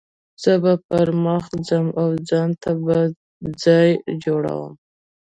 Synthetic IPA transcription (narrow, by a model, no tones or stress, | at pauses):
z̥əbapaɾməxzəmawd͡zɑnt̪ʰaba | d͡zɑjd͡ʒoɽa̰wə̰m